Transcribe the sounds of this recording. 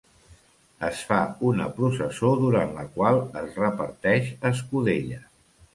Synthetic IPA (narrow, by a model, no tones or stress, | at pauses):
əsfaunə̰pɾusəsoðuɾanləkwalˠəzrəpəɾt̪ɛʃəs̬kuðeʎə